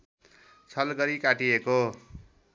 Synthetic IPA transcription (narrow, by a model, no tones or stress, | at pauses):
t͡sʰʌlɡʌɾikaʈieko